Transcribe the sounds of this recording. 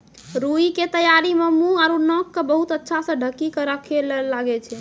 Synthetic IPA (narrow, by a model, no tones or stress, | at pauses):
ɾuiket̪əjaɾimemuaɾunɔkːebəɦut̪ətːʃʰasə̃ɖʱəkːikəɾəkʰellaɡɛt͡ʃʰɛ